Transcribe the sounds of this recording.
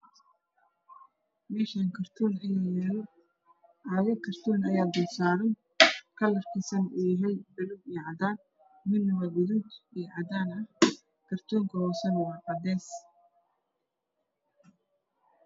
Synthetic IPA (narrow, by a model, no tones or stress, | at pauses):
mɛːʃaŋkʰɐrt̪ʰuːnɐjajɛlɔ | ʕaːɣɐkʰɐrt̪ʰuːnɐjaːd̪ʊsaːɾɐj | kʰɐlɐrkʰɪsɐnʊjɐɦɛjbɐlʊbijʕɑd̪aːd̪ | mɪnːʊwɐɡʊðud̪ijʕɑd̪aːnɐh | kʰɐrt̪ʰuːŋkʰɐhɔːsɐnwɑːqɐd̪ɛːs